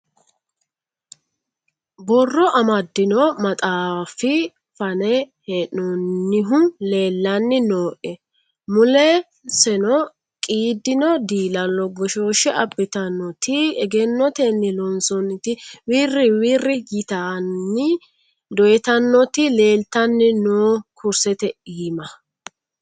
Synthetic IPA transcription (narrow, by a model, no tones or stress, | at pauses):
bɔrːɔʔɐmɐd̪ːɪnɔmɐt̪ʼaːfɪ | fɐnɛ | hɛnɔnːɪɦʊle̞ːlːɐnːɪnoːʔɛ | mʊlɛ | sɛnɔ | kʼiːd̪ɪnɔd̪iːlɐlɔɡɔʃoːʃɛʔɐbːɛt̪ɐnːɔt̪ɪɛɡɛnːɔt̪ɛnːɪlɔnsɔnːɪt̪ɪwiːrːɪwiːrːɪjɪt̪anːɪ | d̪ɔjɛt̪ɐnːɔt̪ɪle̞ːlt̪ɐnːɪnoːkʰʊɾsɛt̪ɛiːmɐ